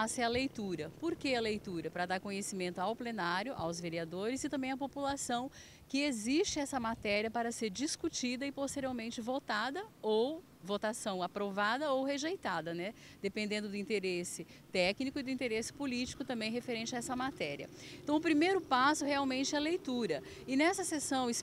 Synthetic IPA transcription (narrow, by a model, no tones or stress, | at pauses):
sʊɛɐlejt̪uɾɐpoɾkeɐlejt̪uɾɐpɾɐd̪aɾkõɲesimẽnt̪ʊawplenaɾjʊʔa̰wzveɾiad̪oɾɪzɪt̪ɐ̃mbẽj̃ɐpopulasɐ̃w̃ | kɪezist͡ʃɪɛsɐmat̪ɛɾiɐpaɾɐseɾd͡ʒiskut͡ʃid̪ɐɪpost̪eɾiawmẽnt͡ʃɪvot̪ad̪ɐow | vot̪asɐ̃w̃apɾovad̪ɐowɦeʒejt̪ad̪ɐnɛ | d̪̥epẽnd̪ẽnd̪ʊd̪ʊĩnt̪eɾesɪt̪ɛknikʊɪd̪ʊĩnt̪eɾesɪ̥polit͡ʃi̥kʊt̪ɐ̃mbẽj̃ɦefeɾẽnt͡ʃɪaɛsɐmat̪ɛɾiɐ̰ẽt̪ɐ̃w̃ʊpɾimejɾʊpasʊheawmẽnt͡ʃɪɛlejt̪uɾɐ | ɪnɛsɐsesɐ̃w̃ɪs